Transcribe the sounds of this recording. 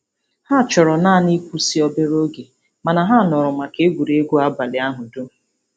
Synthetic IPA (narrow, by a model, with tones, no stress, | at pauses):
ha˦˨t͡ʃɔ˨ɾɔ˨naː˦˨ni˦kʷu˦si˦ɔ˦be˦ɾo˦ɡe˨ | ma˨na˨ɦa˦˨nɔ˨ɾʊ˨ma˨ke˦ɡʷu˨ɾe˨e˦ɡʷo˦a˦ba˨lɪ˨a˦ɦʊ˨do˦